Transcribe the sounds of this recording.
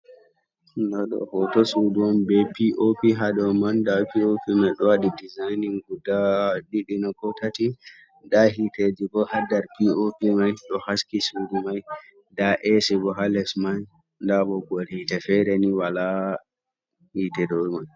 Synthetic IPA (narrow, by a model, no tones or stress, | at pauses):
nɔɗɔ̰hɔtɔsuduwɔnbɛpiʔopiɦaɗɔmandapiopimajɗɔwaɗidizajniŋɡudaɗiɗinɔkɔtati | daɦited͡ʒiɡɔhadaɾpiopimajɗɔhaskisudumaj | daʔɛsɛbɔɦalɛsmaj | ndaɓɔɡoɾitɛfɛɾɛniwala | hitɛdɔmaj